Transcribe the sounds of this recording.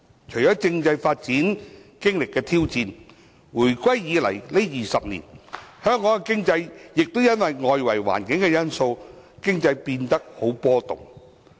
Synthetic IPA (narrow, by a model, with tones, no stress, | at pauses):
t͡ʃʰɵ˨˩ɥt͡ʃɔː˨˥t͡sɪ˧ŋt͡sɐ˧jfaː˧t̚t͡siː˨˥nkɪ˥ŋlɪ˨kːɛː˧t̪ʰiː˥wt͡siː˧n | wuː˨˩jkʷɐ˥jːiː˨˧lɐ̰˨˩jle˥jiː˨˩sɐ˨p̚nḭː˨˩nhœː˥ŋːkːɔː˨˥ŋkɛ˧kɪ˥ŋt͡sɐ˧jːɪ˨k̚t̪o˥wjɐ˥nwɐ˨jŋɔː˨˧jwɐ̰˨˩jwa̰ː˨˩nkɪ˨˥ŋkɛ˧jɐ˥nso˧wkɪ˥ŋt͡sɐ˧jpiː˧nt̪ɐ˥k̚ho˨˥wpɔː˥t̪ʊ̰˨˩ŋ